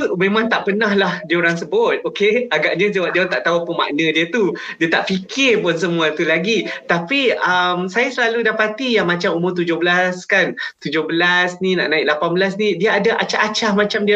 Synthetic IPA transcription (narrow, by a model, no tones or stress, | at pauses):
mẽmãŋt̪aʔpənãhlahdiəoɾaŋsəbʊt̪̚okeaɡaʔɲãd͡ʒəwap̚dint̪aʔt̪aɦupənma̰ʔnə̃diət̪udiət̪aʔfikʰɪrpʊnsəmũat̪ulaɡit̪apiəmsajasəlaludapat̪ijaŋmãt͡ʃamumʊrt̪̬ud͡ʒʊhbəlaskant̪ud͡ʒʊhbəlasnina̰ʔnãɪk̚lapanbəlas̬nidiaːdaʔat͡ʃaʔat͡ʃahmat͡ʃamdia